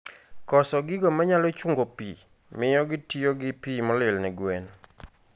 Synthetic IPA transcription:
kɔsɔɡɪɡɔmaɲalɔt͡ʃuŋɡopi | mɪjɔɡɪtioɡɪpimɔlɪlnɛɡwen

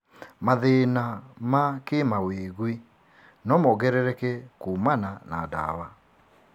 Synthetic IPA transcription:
maðenamakemaweɣwi | nɔmɔɣɛɾɛɾɛkɛkumananada̰wa

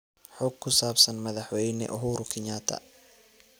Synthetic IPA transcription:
ħɔːɡ̚kʰːʊsaːbsɐnmɐðɑħwɛjnɛ̰ʔɔɦuːɾʊkʰɪɲaːt̪ʰɐ̰

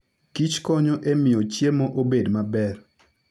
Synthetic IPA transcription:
kit͡ʃkɔɲoʔemɪjot͡ʃjemɔʔobedmabɛr

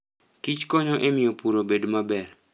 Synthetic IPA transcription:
kit͡ʃkoɲoʔemɪjopuɾobedmabɛr

